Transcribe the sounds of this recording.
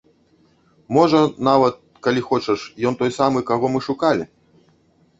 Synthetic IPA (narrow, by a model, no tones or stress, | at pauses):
mɔʐɐnavɐt̪̚ | kalʲixɔt͡ʃɐʂjɔnt̪ɔjsamɨkaɣɔmɨʂukalʲḭ